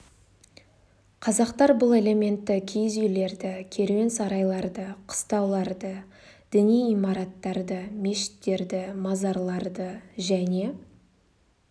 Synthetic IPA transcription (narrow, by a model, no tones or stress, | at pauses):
qʰɑzɑqt̪ɑɾbʊlˠe̞le̞mʲe̞nt̪ːɪkʲʰijzʏjle̞ɾd̪ɪkʲʰe̞ɾwe̞nsɑɾɑjlˠɑɾd̪əqʰə̥st̪ɑwlˠɑɾd̪ə | d̪̥ɪnijijmɑɾɑt̪ːɑɾd̪əme̞ʃɪ̥t̪ːe̞ɾd̪ɪmɑzɑɾlˠɑɾd̪əʒæne̞